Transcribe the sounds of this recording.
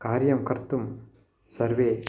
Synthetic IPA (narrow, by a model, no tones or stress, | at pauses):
kaːɾjɐmkɐɾt̪ːum | sɐɾʋeː